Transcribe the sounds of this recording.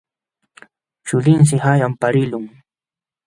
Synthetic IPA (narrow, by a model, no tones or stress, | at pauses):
t͡ʃʊlɪns̬ɪhajampaɾɪlʊŋ